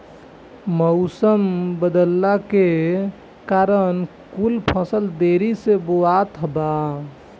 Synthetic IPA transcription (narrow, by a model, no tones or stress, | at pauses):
məʊsəmbəd̪əlːake | kaɾən | kulpʰə̃səld̪eɾiseboat̪ɦəba